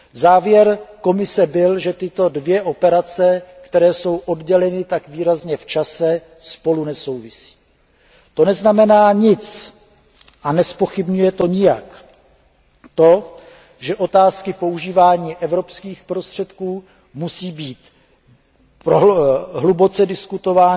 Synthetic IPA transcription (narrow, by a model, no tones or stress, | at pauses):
zaːvjɛɾko̞mɪsɛbɪlʒɛt̪ɪt̪o̞dvjɛʔo̞pɛɾat͡sɛkt̪ɛɾɛːso̞wʔo̞dɟɛlɛnɪt̪akviːɾazɲɛft͡ʃasɛ | spo̞lunɛso̞wvɪsi̥ː | t̪o̞nɛznamɛnaːɲɪt͡s | ʔanɛspo̞xɪbɲujɛt̪o̞ɲɪjak | t̪o̞ | ʒɛʔo̞t̪aːskɪpo̞uʒiːvaːɲiːʔɛvɾo̞pskiːxpɾo̞st̪r̝̥ɛt̪kuː | musiːbiːt̪ | poɦlubo̞t͡sɛdɪskut̪o̞vaːn